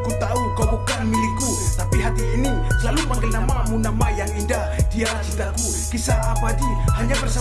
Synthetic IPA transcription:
kut̪aukabukanmiliku | t̪apiɦat̪iːni | lalupaŋɡanamamunamajaŋindahdiasit̪aku | kisaːbadihaɲapərsə

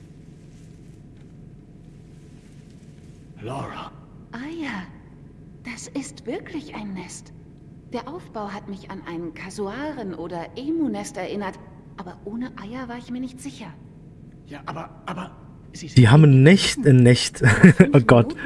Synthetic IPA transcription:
lɔʁa | ʔaja | d̥asɪstv̥ɪɐklɪçʔaɪnːɛst | d̥eːɐʔaʊfb̥aʊɦatmɪçanʔa̰ɪnkʰazuaːʁənʔoːdɐʔeːmoːnɛstɛɐʔɪnɐt | ʔaːbɐʔoːnəʔaɪɐvaːɐɪçmiːɐnɪçtz̥ɪçɐ | jaʔabɐ | abɐ | z̥iːɦaːbnːɛçtnːɛçtʔoːɡɔt

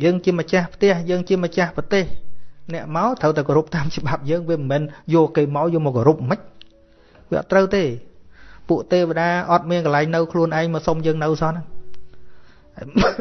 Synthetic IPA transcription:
jəːŋt͡ɕiəmət͡ɕahpʰt̪ɛ̆əhjəːŋt͡ɕiəmət͡ɕahprɑt̪eːhnɛ̆əʔmaɔt̪ʰəwt̪akoɾup̚t̪aːmt͡ɕəɓap̚jəːŋʋiəməmɛːnjoəkeːmaɔjɔəmɔkːoɾup̚məc̚ | ʋiəʔɑ̰t̪ːrəwt̪eː | puəʔt̪eːʋeɗaːʔɑt̪̚miənkəlaɛŋnɨwkʰluənʔaɛŋmaːsomjəːŋnɨwsɑnəŋ

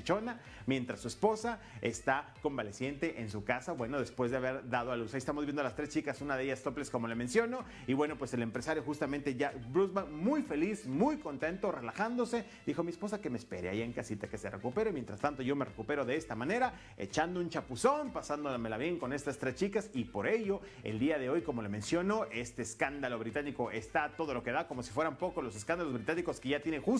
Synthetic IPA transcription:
it͡ʃo̞na | mje̞nt̪ɾasːue̞spo̞sa | ḛst̪ako̞mbale̞sje̞nt̪e̞ʔensukasabwe̞no̞ðe̞spwe̞zðeaβe̞ɾðað̞oalusajiest̪amozbjend̪oalast̪ɾe̞st͡ʃikasunaðeeʝast̪o̞ple̞sko̞mo̞lemẽ̞nsjo̞no̞ | iβweno̞pwe̞se̞lempɾe̞saɾjo̞xust̪amẽnt̪e̞ʝabɾuzbaŋmujfe̞lismujko̞nt̪e̞nt̪ore̞laxand̪o̞se̞ | d̪ixo̞miespo̞sake̞mespe̞̰ɾea̰jeŋkasit̪ake̞se̞re̞̰kupe̞ɾemjent̪ɾast̪ant̪o̞ʝo̞mere̞̰kupe̞ɾo̞ðeest̪amane̞ɾa | e̞̰t͡ʃand̪ount͡ʃapuso̞npasand̪omelaβje̞ŋko̞ne̞st̪ast̪ɾest͡ʃikasipo̞ɾe̞ʝo̞ | ḛld̪iaðe̞o̞jko̞mo̞lomẽ̞nsjono̞ʔe̞st̪e̞ːskand̪alo̞βɾit̪aniko̞ʔe̞st̪at̪o̞ð̞o̞lo̞ke̞ðako̞mo̞si̥fwe̞ɾampo̞kozlo̞s̬e̞skand̪alozβɾit̪aniko̞skeʝat̪jenexu

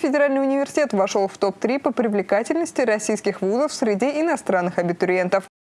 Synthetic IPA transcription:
fʲɪdʲɪɾalʲnɨjʊnʲɪvʲɪrsʲɪtʲet̪vɐʂolˠft̪o̞p̚t̪ɾʲipəpɾʲɪvlʲɪkatʲɪlʲnəsʲtʲɪɾɐsʲijskʲɪxvuzəfsʲɾʲɪdʲiɪnɐst̪ɾanːɨxɐbʲɪt̪ʊɾʲɪent̪əf

